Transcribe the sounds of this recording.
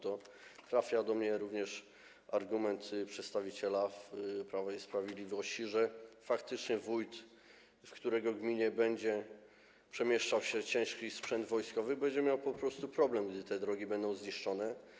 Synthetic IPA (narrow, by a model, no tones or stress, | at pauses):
t̪ɔ | t̪ɾafʲjad̪ɔmɲɛɾuvɲɛʂ | aɾɡumɛnt̪pʂɛt̪st̪avʲit͡ɕɛlafpɾavɛjspɾavʲjed̪lʲivɔɕt͡ɕiʐɛfakt̪ɘt͡ʂɲɛvujt̪ | fkt̪uɾɛɡɔɡmʲiɲɛbɛɲd͡ʑɛ | pʂɛmʲjɛʂt͡ʂawɕɛt͡ɕɛ̃ʂkʲispʂɛnd̪vɔjskɔvɘbɛɲd͡ʑɛmʲjawpɔpɾɔst̪upɾɔblɛmɡd̪ɘt̪ɛd̪ɾɔɡʲibɛnd̪ɔ̃w̃zɲiʂt͡ʂɔnɛ